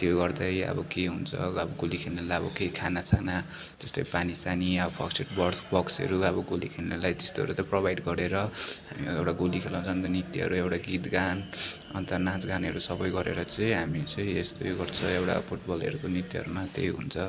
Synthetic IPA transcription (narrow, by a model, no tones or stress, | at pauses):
t̪joɡʌrd̪ʌjʌ̰bʌkeɦunt͡sʰʌ̰ʌbʌɡolikʰennalajʌbʌ̰kekʰanat͡sʰana | t̪est̪ojpanisaniʌbʌpʰʌ̰kseʈbʌɽsbʌksʌ̰ɾuʌbʌɡolikʰenːalajt̪e̥st̪oɦʌ̰ɾut̪ʌprobajɖɡʌɾeɾʌɦamiewʈaɡolikʰelãw̃t͡sʰʌnt̪ʌnit̪iɦʌ̰ɾuewʈaɡit̪ɡan | ʌ̰nt̪ʌnãt͡sɡanɦʌɾusʌbʌjɡʌɾḛɾʌt͡sʌĩɦamit͡sʌĩest̪ojɡʌrt͡sʰʌewʈa̰pʰuʈbʌlʌ̰ɾukonit̪iɦʌ̰ɾumat̪ḛjɦṵnt͡sʰʌ